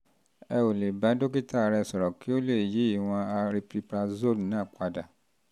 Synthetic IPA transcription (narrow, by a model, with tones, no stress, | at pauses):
ɛ˧o˨le˨ba˨˦do˦k̬i˦ta˦˨ɾɛ˧˨sɔ˨ɾɔ˨ki˦o˦le˦˨ji˨˦i˦˨w̃ɔ̃˧a˧ɾi˧pɾi˧pɾa˧zo˦˨lnã˨˦˨k͡pa˧da˨